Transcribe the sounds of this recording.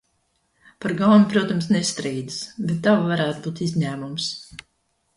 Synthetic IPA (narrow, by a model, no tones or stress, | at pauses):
paɾɡawnʲipɾuɔt̪amsnɛst̪ɾiːd̪i̥sbet̪ːawvaɾæːt̪buːt̪izʲɲæːmums